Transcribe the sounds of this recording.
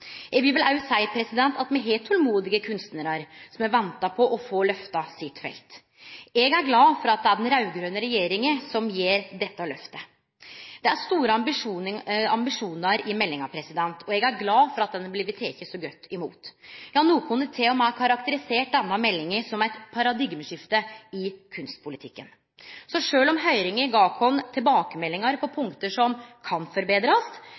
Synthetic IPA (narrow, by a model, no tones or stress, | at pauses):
ɛbɪʋɪlɑʉt̪sæɪpʰɾɛsɪd̪ɛnt̪ɑt̪mɛɦeːlt̪ʰɔlmuːd̪ɪɡəkʰʉnst̪nəɾəɾsɔmæʋɛnt̪ɑpʰɔʔɔfoːlœft̪ɑsɪt̪ːfɛ̰lt̪ | ɛɡæɾɡlɑːfɔɾɑt̪̚d̪ɛæɖɛnɾɑʉɡɾøːnəɾɛjeːɾɪŋəsɔmjeːɾd̪ɛt̪ːəlœft̪ə | d̪ɛæɾst̪uːɾəɑbɪʂuːɑmbɪʂuːnəɾɪmɛlːɪŋɑpʰɾɛsɪd̪ɛnt̪ʰɔɛɡæɾɡlɑːfɔɾɑt̪̚d̪ɛnːəblɪʋət̪ʰːeːkːəsɔɡœt̪ːɪmṵːt̪jɑnuːəkʰʊnət̪ʰeːɔmækʰɑɾɑkt̪əɾɪseːʈ̚d̪ɛnːəmɛlːɪŋəɾsɔmæɪt̪pʰɑɾɑd̪ɪɡməʂɪft̪əɪkʰʉnst̪̚pʰʊlɪt̪ʰɪkːən | sɔʂøːlɔmɦœʏɾɪŋəɡɑːkʰɔnt̪ʰɪlbɑːkəmɛlːɪŋəɾpʰɔpʰʊŋkt̪əʂɔmkʰɑnfɔɾbeːd̪ɾɑs